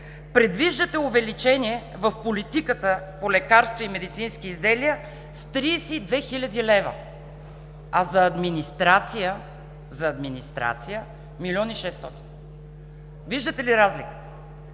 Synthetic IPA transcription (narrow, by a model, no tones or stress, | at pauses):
pɾɛd̪viʒd̪ət̪ɛʊvɛlit͡ʃɛniɛ | vəfpolit̪ikət̪əpolɛkaɾst̪voimɛd̪it̪sinsk̟iːzd̪ɛliə | st̪ɾisɛːd̪vɛxilʲɐd̪ilɛvə̰ | ɐzɐːd̪minist̪ɾat̪sijə | zɐːd̪minist̪ɾa̰t̪sijə | milʲɔniʃɛst̪ɔt̪i̥n | viʒd̪ət̪ɛliɾazlikə̥t̪ə̥